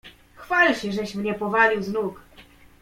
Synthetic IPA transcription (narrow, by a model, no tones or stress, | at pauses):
xfalɕɛʐɛɕmɲɛpɔvalʲiwznuk